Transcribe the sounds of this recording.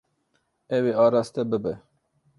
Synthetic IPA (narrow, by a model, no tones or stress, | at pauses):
ɛweːɑːɾɑːst̪ɛbɨbɛ